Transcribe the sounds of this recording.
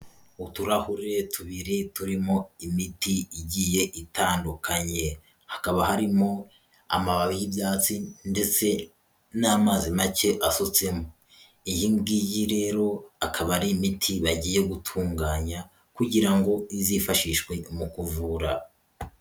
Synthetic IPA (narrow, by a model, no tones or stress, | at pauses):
utuɾahuɾetʰuβiɾetuɾimo̞imitiiɟiːje̞ʔitaːndukʰaɲe̞ | hḁkaβaɦaɾimo̞ | a̰maβaβijibjaːt͡sinde̞t͡se̞ | naːmaːzimace̞ʔasot͡se̞mo | ijimɡijiɾe̞ːɾo̞akʰaβaɾimitʰiβaɟiːje̞ɡutʰuːŋɡaːɲa | kuɟiɾaŋɡo̞izifaʃiʃwe̞mukuvuɾa